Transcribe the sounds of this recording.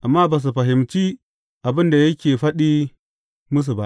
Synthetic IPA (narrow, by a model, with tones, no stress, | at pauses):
ʔa˨mːa˦ba˨s̬u˨ɸɐ˨ɦɪ˨mt͡ʃi˦ | ʔa˨bɪ˦nda˨jɐ˦kʲeː˨ɸɐ˦ɗi˦ | mu˦s̬u˨ba˦ʔ